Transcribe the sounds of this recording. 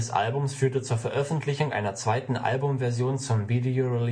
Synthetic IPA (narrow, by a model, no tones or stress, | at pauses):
sʔa̰lbʊmsfyːɐtət͡suːɐfɛɐʔœfn̩tʰlɪçʊŋʔa̰ɪnɐt͡sv̥aɪtn̩ʔa̰lbʊmvɛɐzjoːnt͡sʊmvidioʁil